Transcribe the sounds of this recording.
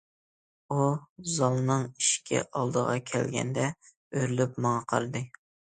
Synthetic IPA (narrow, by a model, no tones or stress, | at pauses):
uzɑlˠnɨŋiʃkʲʰɛ̰ʔɑlˠd̪əʁɑ̰kʲʰɛ̰lɡʲɛ̰nd̪ɛ | øɾlypmɑŋɑqʰɑ̰ɾɨd̪ɨ